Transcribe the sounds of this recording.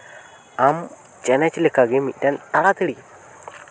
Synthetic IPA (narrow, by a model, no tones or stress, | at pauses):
am | t͡ʃanat͡ʃilekaɡemidantaɾat̪əɽi